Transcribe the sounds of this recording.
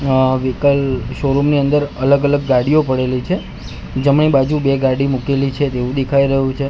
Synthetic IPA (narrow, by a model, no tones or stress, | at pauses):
ʋikəlʃoɾumniənd̪əɾələɡələɡːaɽijopəɽelit͡ʃʰe | d͡ʒəmɳibad͡ʒubeɡaɽimukelit͡ʃʰet̪eʋũd̪ekʰaiɾəɦũt͡ʃʰe